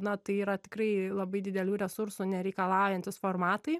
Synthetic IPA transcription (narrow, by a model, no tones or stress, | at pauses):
nɐt̪ɐɪiːɾɐt̪ʲɪ̥kɾɐɪlˠɐbɐɪd̪ʲɪd̪ʲɛlʲuːɾʲɛsʊɾsunʲɛɾʲɛɪkɐlˠɑˑʊjɛnʲt̪ʲɪsfoːrmɑːt̪ɐɪ